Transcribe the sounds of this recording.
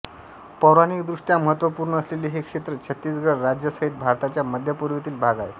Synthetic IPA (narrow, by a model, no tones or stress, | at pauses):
pəɾañiːkd̪ɾuʂʈjaməɦət̪ʋəpuːɾɳəːsleliːɦekʂet̪ɾət͡ɕʰət̪ːiːsɡɭəɾad͡ʑjəsəɦit̪̚bʱaɾt̪at͡ɕjaməd̪ʱjapuɾʋet̪iːlbʱaɡa̰j